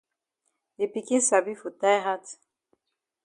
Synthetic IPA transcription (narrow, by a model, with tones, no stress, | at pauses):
e˨pi˨ki˦sa˨bi˦fu˨ta˦jɦa˦t